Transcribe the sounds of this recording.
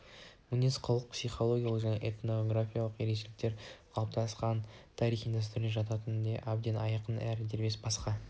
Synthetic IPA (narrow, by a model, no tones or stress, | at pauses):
mʊnesqʰəlˠəq̚psijχo̞lˠo̞ɡʲijalˠəqʒæne̞̰ʔet̪noɡɾafʲijalˠəqje̞ɾeʃ̬elɪk̚t̪e̞ɾqʰɑlˠəp̚t̪ɑsqɑnt̪ʰɑɾijχind̪ɑs̬t̪ʏɾɪne̞ʒɑt̪ɑt̪ənd̪eʔab̚d̪e̞nɑjɑqənæɾɪd̪eɾbe̞sbɑsqɑ